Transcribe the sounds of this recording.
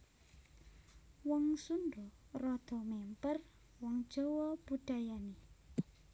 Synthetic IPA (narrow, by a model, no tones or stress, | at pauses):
wɔŋsundɔrɔd̪̥ɔ̤mɛmpər | wɔŋd̥ʒ̥ɔ̤wɔb̥uɖ̥ajani